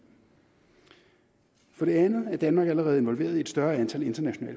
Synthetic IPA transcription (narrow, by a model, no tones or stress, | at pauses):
fɒ̽ɾ̥e̝ænð̩ˠæɐd̥ænmɑ̈ːɡ̥æləʁɛːðˠe̝nʋɒlʋe̝̰ːɐðˠied̥sd̥ɶɐænt͡sʰæle̝nd̥ɐnæɕo̝nɛ̰ːl